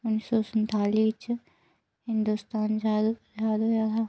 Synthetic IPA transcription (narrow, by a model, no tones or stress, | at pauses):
ʊnːsɔːsənt̪aːliːt͡ʃ | hɪnd̪ust̪aːnd͡ʒad͡ʒaːd̪oːjat̪ʰaː